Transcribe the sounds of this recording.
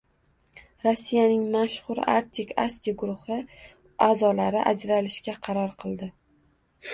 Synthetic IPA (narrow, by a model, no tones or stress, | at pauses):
ɾosːijanɪŋmaʃχʊɾa̰ɾt̪ʲʰɪkʲʰast̪iɡʊɾʊhɪ | azɒlaɾɪʔa̰d͡ʒɾalɪʃkʲaqʰɑɾɒɾqʰɨlˠd̪ɪ